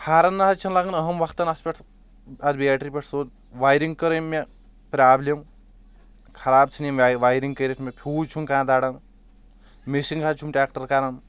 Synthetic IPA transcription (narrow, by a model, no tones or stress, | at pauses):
hʰaːɾɐnːɐɦɐt͡ʃʰɐnlaɡɐnɐɦɐmʋɐkʰt̪ɐnɐspʲeʈʰ | ɐd̪bijaːʈɾipʲeʈʰsoːt | ʋaːjɾiŋɡkɐɾɐjmːe | pɾʲaːblʲem | kʰɐɾaːb̚t͡sʰinimʋajɾiŋkɐjɾetʰmʲepʲʰuːt͡ʃʰunkãːd̪aːɽɐn | misiŋɡkʰat͡ʃʰumʈʲaːk̚ʈɐɾkaɾɐn